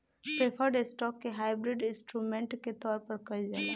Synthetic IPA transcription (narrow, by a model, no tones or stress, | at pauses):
pɾepʰəɾɖesʈɔːkːeɦaːɪbɾɪɖɪ̃nsʈɾuːmẽɳʈket̪ɔːɾpəɾkɐid͡ʒaːa